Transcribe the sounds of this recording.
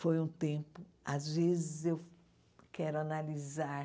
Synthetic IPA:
fojũt̪ẽpʊ | azvezɪzew | kɛɾʊanalizaɾ

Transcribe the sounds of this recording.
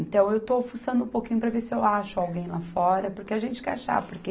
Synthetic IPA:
nt̪ɐ̃w̃ewt̪ofusɐ̃nd̪ũpokĩɲʊpɾɐveɾsɪewaʃʊawɡẽj̃lafɔɾɐpoɾkeaʒẽnt͡ʃɪ̥kɛaʃa̰poɾke

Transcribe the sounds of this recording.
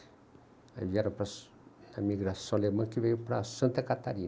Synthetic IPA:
a̰vjaɾõpɾa | amiɡɾasõlemə̃nkiveniwpɾasãnt̪əkat̪aɾi

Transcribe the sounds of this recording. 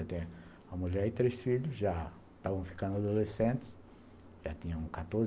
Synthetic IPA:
ɐt̪ẽ | ɐmuʎɛɾɪt̪ɾesfiʎʊsʒa | t̪avɐ̃w̃fi̥kɐ̃nd̪ʊad̪olesẽnt̪ɪ̥s | ʒat̪ĩɲɐ̃kat̪oɾz

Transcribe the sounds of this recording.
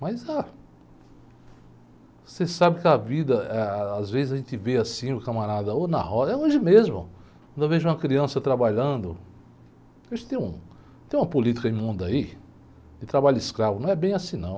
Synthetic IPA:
maza | sesabɪkɪavid̪ɐɛazvezɪzɐʒẽnt̪ɪveasĩʊkɐmaɾad̪ɐonɐ̰hɔzɛoʒɪmezmʊ̰kwɐ̃d̪ewveʒʊũɐkɾiɐ̃sɐt̪ɾabaʎɐ̃d̪ʊ | ʒẽt̪ɪt̪ẽj̃ṵ̃ | t̪ẽj̃ũmɐpolit̪i̥kɐẽmũd̪ai | ɪt̪ɾabaʎɐɪskɾavʊnɐ̃w̃ɛbẽj̃ɐsĩnɐ̃w̃

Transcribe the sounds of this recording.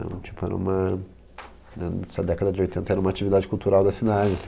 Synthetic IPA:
ɐ̰̃t͡ʃi̥pʊɛ̰ɾɐ̰̃ṵ̃mɐ | nɛnɛsɐd̪ɛkɐd̪ɐd͡ʒɪojt̪ẽnt̪ɐɛɾɐũmɐat͡ʃivid̪ad͡ʒɪkuwt̪uɾawd̪ɐsinaʒẽs

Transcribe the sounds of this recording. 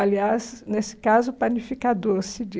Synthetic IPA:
aliaznesɪ̥kazʊplanifikad̪oɾsɪd͡ʒ

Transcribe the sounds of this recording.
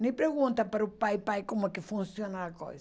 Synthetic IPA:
nẽpɾeɣũnt̪ɐpaɾɐupajpajkomʊɛkɪfũnsjonɐaɐko̰js

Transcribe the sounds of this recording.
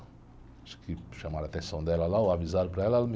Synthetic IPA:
aʃkʰɪʃamaɾat̪ẽsɐ̃w̃d̪ɛlɐlauavizaɾpɾɐɛlɐɛlɐm

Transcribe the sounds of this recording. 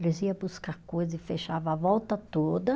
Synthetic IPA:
lɪziɐbuskakojzɐɪfeʃavavɔwt̪ɐt̪od̪ɐ

